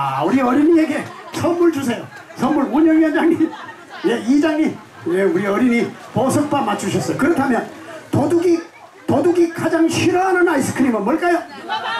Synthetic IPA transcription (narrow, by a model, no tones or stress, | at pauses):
auɾiʌɾinieɡe̞sʰʌmmuɭt͡ɕusʰe̞jo | sʰʌmuɭoɲʌnjʌnd͡ʑaŋɲi | jeid͡ʑaŋɲi | jeuɾiʌɾiniposʰʌk̚p͈amat͡ɕʰuɕʰʌs͈ʌjokɯɾʌtʰamjʌntoduɡi | toduɡikad͡ʑaŋɕʰiɾʌɦanɯnais͈ɯ̥kʰɯɾimɯnmwʌɭk͈ajo